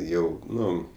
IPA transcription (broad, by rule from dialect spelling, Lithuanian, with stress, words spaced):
ˈjɛʊ ˈnʊ